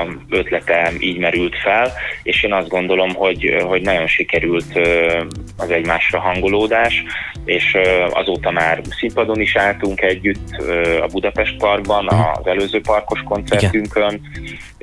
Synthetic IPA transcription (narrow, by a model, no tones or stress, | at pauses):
ø̞t̪lɛt̪ɛiːɟmɛɾylt̪fɛleːʃeːnɒzd̪ɡo̞nd̪o̞lo̞mho̞ɟɦo̞ɟnɒɟo̞nʃikɛɾylt̪ø | ɒzɛɟmaːʃrɒɦɒŋɡo̞loːd̪aːʃeːʃɒ̰zoːt̪ɒmaːrsimpɒd̪o̞niʃaːlt̪uŋkɛɟːyt̪ːøɒ̰bud̪ɒpɛʃt̪̚pɒrɡbɒnɒ̰zɛløːzøːpɒrko̞ʃko̞nt̪sɛrt̪yŋkøn